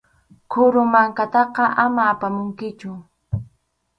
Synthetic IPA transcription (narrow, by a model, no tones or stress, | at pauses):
kʰʊɾʊmaŋkat̪ɑqɑʔamaːpamʊŋkɪt͡ʃʊ